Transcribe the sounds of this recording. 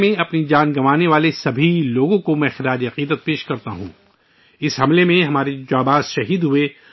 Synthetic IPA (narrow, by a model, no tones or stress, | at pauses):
mẽɐpnid͡ʒaːnɡɐmaːneʋaːlesɐbʱiloːɡõkomɛ̃xɪɾaːd͡ʒɐqiːd̪ət̪̚peːʃkɐɾt̪aɦṵ̃ː | ɪsɦɐmlemẽɦɐmaːɾed͡ʒaːbaːzʃɐɦiːd̪ɦʊe